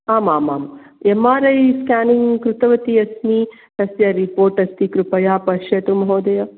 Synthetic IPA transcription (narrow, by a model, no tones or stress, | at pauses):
aːmaːma̰ːmjemaːɾɐjskʲaːniŋkɾut̪ɐʋɐt̪iɐsniː | t̪ɐsjɐɾipoːɾʈɐst̪ikɾupɐjaːpɐʃjɐt̪umɐɦoːd̪ɐjɐ